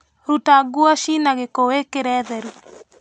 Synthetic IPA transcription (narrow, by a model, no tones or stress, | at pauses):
ɾutaɡuaʃinaɣekowekeɾɛðɛɾu